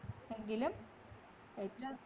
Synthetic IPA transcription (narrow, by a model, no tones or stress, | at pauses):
eŋɡilum | etːɐ